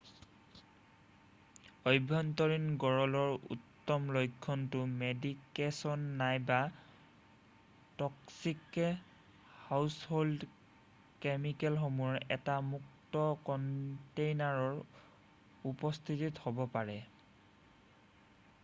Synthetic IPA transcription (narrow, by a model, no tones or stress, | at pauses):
ɔjbʱːɔntɔɹinɡɔɹɔlɔɹṵtːɔmlojkʰːɔntʊmedikesɔnːajba | tɔksikːɛ | hawshold | kemikɛlxomuɔɹɛtamuktɔkɔntejnaɹɔɹ | upɔstʰitithɔbɔpaɹɛ